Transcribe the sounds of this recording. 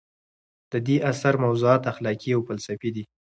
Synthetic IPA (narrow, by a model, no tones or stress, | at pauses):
d̪̥əd̪eʔasaɾmawzuɑt̪axlɑkiawfalsafid̪i